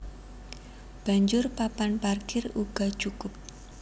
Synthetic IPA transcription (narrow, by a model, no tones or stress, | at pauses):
b̥a̤ɲd͡ʒʊrpapanparkɪruɡ̥a̤̥t͡ʃukʊp̚